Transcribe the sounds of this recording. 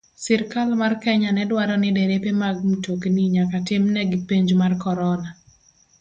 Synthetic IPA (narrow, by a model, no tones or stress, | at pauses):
sɪɾkalmarkɛɲanɛdwaɾɔnɪdeɾepemaɡ̚mutokeniɲakatɪmnɛɡɪpeɲd͡ʒmarkɔɾɔna